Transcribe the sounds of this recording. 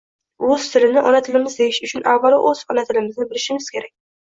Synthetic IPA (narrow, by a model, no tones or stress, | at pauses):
oz̥t̪ʰɪɾɪnɪʔɒnat̪ʰɪlɪmɪzd̪ejɪʃʊt͡ʃʰʊnʔavːalʔoz̥ɒnat̪ʰɪlɪmɪznɪbɪlɪʃɪmɪz̥kʲʰe̞ɾak̚ʲ